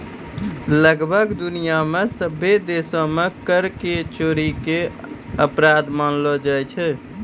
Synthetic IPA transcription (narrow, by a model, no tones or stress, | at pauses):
ləɡbʱəɡd̪unijamesəbʱːed̪esõmekəɾket͡ʃoɾikeəpɾad̪manlɔd͡ʒajt͡ʃʰɛ